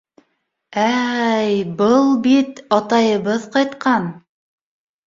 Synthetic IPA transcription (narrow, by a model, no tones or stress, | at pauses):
æjbɤlˠbit̪ɑt̪ɑjɤ̆βɤðqɑjt̪qʰɑn